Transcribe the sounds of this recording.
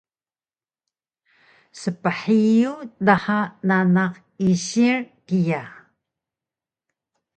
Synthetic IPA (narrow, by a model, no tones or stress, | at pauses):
səpəħijudaħananaq | iɕirkija